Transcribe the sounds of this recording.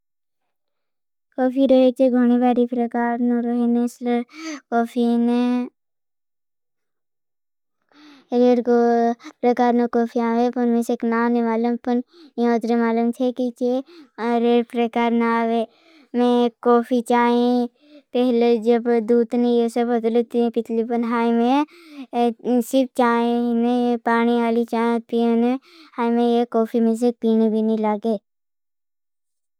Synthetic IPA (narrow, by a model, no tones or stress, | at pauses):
kɔːpʰiɾoɦet͡ʃeɡʱoñibaːɾipɾəkaːɾnoɾəɦeneslkoːpʰine | ɾeːɽkopɾəkaːɾnokɔːpʰiaːʋepʊnmẽseknaːnemaːlʊmpʊnjõt̪ɾemaːlumt͡ʃʰekit͡ʃeɾeːɾpɾəkaːɾnaaːʋeː | mẽːkoːpʰit͡ʃaːẽ | pɛɦled͡ʒəbd̪uːd̪nẽjesəbəd̪lət̪ĩpɪt̪lipənɦaːimẽ | sɪɾp̚t͡ʃaːẽnepaːñiaːlit͡ʃaːẽpine | haːimẽjekoːpʰimẽs̬ek̚piːnibʱinĩlaːɡeː